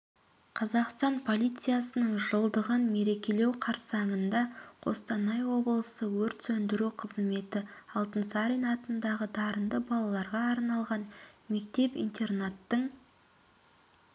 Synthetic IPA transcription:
qʰɑzɑqst̪ɑnpʰo̞lʲijt̪sɨjasənəɴʒəlˠd̪əʁənme̞ɾe̞kʲe̞le̞wqʰɑɾsɑŋənd̪ɑqʰo̞̰st̪ɑnɑjwo̞bəlˠəsəwɵɾt̪sɵnd̪ɪɾuqʰəzme̞t̪ɪɑlˠt̪ənsɑɾijnɑt̪ənd̪ɑʁəd̪ɑɾənd̪əbɑlˠɑlˠɑɾʁɑːɾnɑlˠʁɑnme̞k̚t̪e̞pḭjnt̪e̞rnat̪ːəɴ

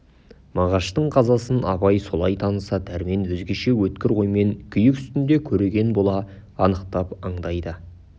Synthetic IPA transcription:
mɑʁɑʃt̪əɴqʰɑzɑsənɑ̰bɑjso̞lˠɑjt̪ʰɑnəsɑd̪ʰæɾme̞nwɵzɡʲe̞ʃe̞wɵt̪kʲɪɾqʰo̞jme̞ŋkʲʰʏjɪkʲʏ̥st̪ɪnd̪e̞kʲʰɵɾe̞ɡʲe̞nbo̞lˠɑ | ɑnəqt̪ɑpɑɴd̪ɑjd̪ə

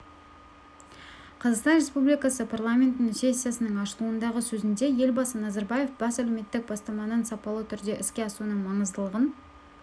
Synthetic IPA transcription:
qʰɑzɑqst̪ɑnɾʲe̞spublijkɑsəpʰarlˠamʲent̪ɪnse̞sʲːijasənəɴɑʃəlˠuənd̪ɑʁəsɵzɪnd̪e̞je̞lʲbɑsənɑzaɾbaje̞fbɑsælewme̞t̪ːɪk̚bɑst̪ɑmɑnənsɑpɑlˠət̪ʰʏɾd̪e̞ʔɪskʲe̞ɑsunəɴmɑɴəzd̪əlˠəʁən

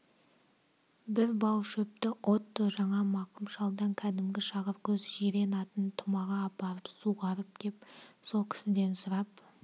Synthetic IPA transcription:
bɪɾbɑwʃɵp̚t̪ɪʔo̞t̪ːəʒɑɴɑmɑqəmʃɑlˠd̪ɑŋkʲʰæd̪ɪmɡʲɪʃɑʁəɾkʲʰɵzʒeɾe̞nɑt̪ənt̪ʰʊmɑʁɑpɑɾəpsuʁɑɾəp̚d̪̥e̞pso̞lˠkʲʰɪ̥sɪd̪e̞nsʊɾɑp̚

